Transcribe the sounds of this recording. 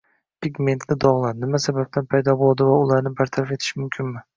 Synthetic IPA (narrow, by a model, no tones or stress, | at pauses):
pʰiɡʲme̞nt̪lʲɪd̪ɒʁlˠaɾnɪmasabap̚t̪ʰanpʰajd̪ɒbolˠd̪ɪvaʊlˠaɾnɪbaɾt̪ʰaɾafe̞t̪ʰɪ̥ʃɪmʊmkʲʰɪnmɪ